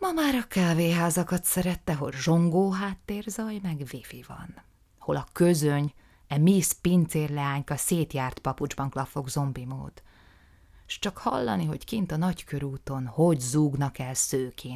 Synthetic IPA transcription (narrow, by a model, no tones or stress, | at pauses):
mɒmaːɾɒkaːveːɦaːzɒkɒt̪sɛɾɛt̪ːɛɦo̰lʒo̞ŋɡoːɦaːt̪ːeːrzɒjmɛɡvifivɒ̰n | ɒho̞lɒkø̞zøɲ | ɛmispint̪seːrlɛaːɲkɒseːt̪jaːrt̪pɒpud͡ʒbɒŋklɒfo̞ɡzo̞mbimo̰ːd̪ | ʃt͡ʃɒkhɒ̰lːɒ̰niɦo̞ckint̪ɒnɒckʰø̞ɾuːt̪o̞nho̞ɟzuːɡnɒkɛlsøːkʰeːn